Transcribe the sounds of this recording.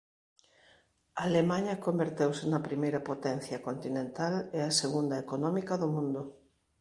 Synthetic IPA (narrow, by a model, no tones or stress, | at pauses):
aːlemaɲɐkombeɾt̪ewsɪnɐpɾimejɾɐpot̪ɛn̟θjɐkont̪inẽnt̪aleɐseɣund̪ɐekonɔmikɐðomũnd̪ʊ